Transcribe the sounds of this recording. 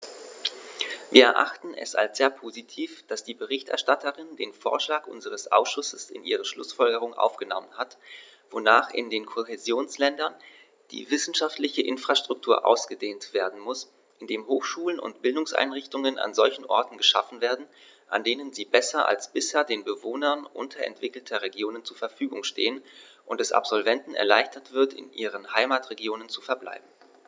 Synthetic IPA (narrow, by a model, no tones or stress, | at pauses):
viːɐɛɐʔa̰χtn̩ɛ̰sa̰lsz̥eːɐpʰozitʰiːfd̥asd̥iːbəʁ̞ɪçtʔɛ̰ɐʃtatʰəʁɪndeːnfo̰ːɐʃlaːkʔʊ̰nzəʁ̞əsʔa̰ʊsʃʊsəsɪ̰nʔiːʁəʃlʊ̰sfɔlɡəʁʊŋʔa̰ʊfɡ̥ənɔmənɦat | v̥onaːχɪ̰ndeːnkʰoɦezjoːnslɛndɐn | d̥ḭːvɪsn̩ʃaftlɪçəʔɪnfʁ̥aʃtʁ̥ʊk̚tʰuːɐʔa̰ʊsɡ̥ədeːntv̥eːɐdn̩mʊs | ʔɪndeːmɦoːxʃuːlənʊ̰ntb̥ɪldʊŋsʔa̰ɪnʁɪçtʊŋənʔa̰nzɔlçn̩ʔɔ̰ɐtn̩ɡəʃa̰fn̩veːɐdn̩ | ʔa̰ndeːnənziːbɛsɐʔa̰lsb̥ɪsheːɐdeːnbəvoːnɐnʔʊ̰ntʰɐʔɛ̰ntv̥ɪkl̩tʰɐʁeɡjoːnənt͡suːɐfɛɐfyːɡʊŋʃtḛːən | ʔʊntd̥ɛsʔa̰pz̥ɔlvɛntn̩ɛ̰ɐla̰ɪçtɐtv̥ɪɐtɪ̰nʔiːʁ̞ənhaɪmaːtʁeɡjoːnənt͡sufɛɐbla̰ɪbm̩